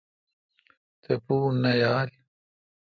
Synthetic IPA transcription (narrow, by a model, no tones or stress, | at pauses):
t̪epuːnːɐjaːl